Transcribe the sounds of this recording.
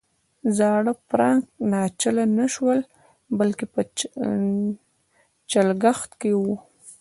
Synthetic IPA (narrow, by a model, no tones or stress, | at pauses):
zɑɽəpɾɑŋknɑt͡ʃalanaʃwəl | balkepə | t͡ʃalɡaxt̪kewu